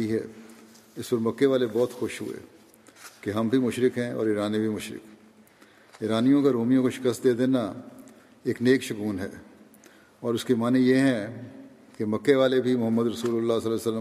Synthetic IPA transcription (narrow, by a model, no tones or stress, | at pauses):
iɦɛ̰ː | ɪspəɾmɐkːeʋaːlebɔːt̪xʊʃɦʊ̰ḛ | keɦɐmbʱimʊʃɾɪkɦɛ̃ɔ̰ːɾiːɾaːnebʱimʊʃɾɪ̰k | ɪːɾaːnijõkaɾoːmijõkoʃɪ̥kəst̪̚d̪eːd̪eːna | eːkneːkʃʊkuːnɦɛ̰ː | ɔːɾʊskemaːnẽjeɦɛ̃ | kemɐkːeʋaːlebʱimʊɦəmːəd̪ɾɐsuːlʊlːasɐlːsəlːə